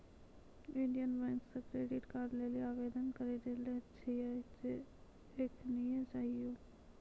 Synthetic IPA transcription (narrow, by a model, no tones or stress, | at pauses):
ɪɳɖijənbɛ̃ːŋksəkɾeːɖɪʈkaɾleliaːʋeːd̪ənkəɾedelet͡ʃʰiat͡ʃe | eːkʰnijẽt͡ʃaːɦijoː